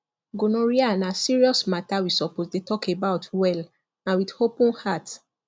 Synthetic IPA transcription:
ɡonoɹianasiɹiɔsmatawisɔposdetɔkebaʊtwɛl | ãnwidhopũnhat

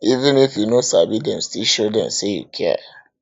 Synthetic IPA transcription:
ivĩnifjunosabidɛ̃mstiʃodɛ̰̃msejṵkʰɛ̰

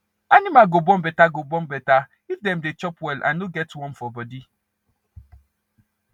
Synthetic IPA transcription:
animaɡobɔ̃mbɛtaɡobɔ̃mbɛta | ifdɛmdet͡ʃɔpwɛlʔa̰nːoɡɛtwɔ̃nfɔbɔdi

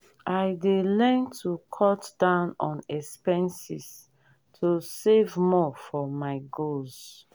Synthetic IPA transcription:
aɪdelɛ̃ntʰukʰɔtdãʊ̃nɔ̃nɛspɛ̃nsis | tʰusevmɔfɔmaɪɡolz̥

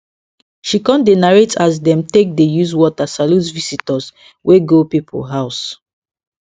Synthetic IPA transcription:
ʃikɔ̃ndenaɹetas̬dɛ̃mtek̚dejuzwɔtasaluzvisitɔs | wʔeɡopipʰo̰lɦaʊs

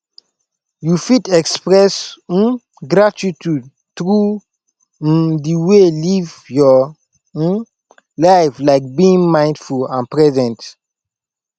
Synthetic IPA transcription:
jufitɛkspɹɛs̩ | ɡɾat͡ʃitud̚ | tɹu | diwelivjɔ | laɪflaɪk̚biĩŋmãɪ̃nd̥fulãnpɹɛzɛ̃nt

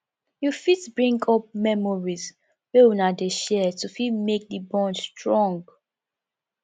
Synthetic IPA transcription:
jufitbɹĩŋɡɔp̚mɛmɔɹiz | wɛwunadeʃɛtufidmek̚dibɔ̃nstɹɔ̃ŋɡ

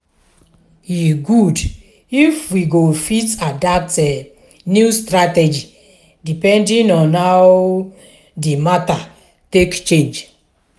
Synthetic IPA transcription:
jiɡud | ifwiɡofitadatɛ | njustɾatɛd͡ʒi | dipɛ̃ndĩnɔ̃nhaw | dimata | tekt͡ʃẽnd͡ʒ

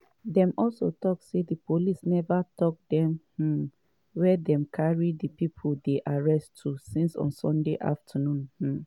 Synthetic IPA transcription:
dɛ̃mʔɔlso̰tɔk̚sedipolisnɛvatɔk̚dɛ̃mh̩ | wɛdɛ̃mkʰaɹidəpipʰldeʔaɹɛstʰːusĩnsɔ̰̃nsɔ̃ndeʔa̰ftʰənũnh̩

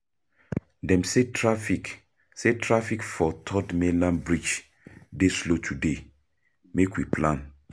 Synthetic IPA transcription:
dɛ̃msetʰɹafik | setʰɹafikfɔtʰɔdmelãnbɹit͡ʃ | deslotʰude | mekwipʰlãn

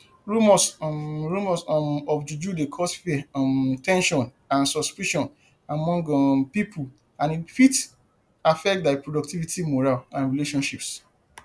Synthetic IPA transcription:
ɹumɔsɹumasɔfd͡ʒud͡ʒudekʰɔsfitʰɛ̃nʃɔ̃n | ãnsɔspiʃɔ̃n | amɔ̃ŋɡpipʰu | ãnifit | afɛk̚t̚daɪpʰɹodɔk̚tʰivitʰimoɹalãnɹileʃɔ̃nʃips

